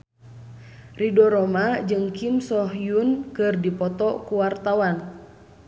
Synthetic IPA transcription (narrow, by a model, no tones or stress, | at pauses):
ridɔɾɔmad͡ʒɨŋkimsɔɦjunkɨrdipɔt̪ɔkuwart̪awan